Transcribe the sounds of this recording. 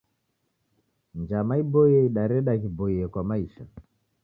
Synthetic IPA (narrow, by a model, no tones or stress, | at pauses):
nd͡ʒamaibɔiɛiɗaɾɛɗakibɔiɛkwamaiʃa